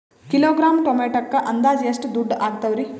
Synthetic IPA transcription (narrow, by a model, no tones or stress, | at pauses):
kiloːɡɾaːmʈomeːʈɐkːɐʔɐnd̪aːd͡ʒiɐsʈud̪uɖːaːɡ̚t̪ɐʋɾi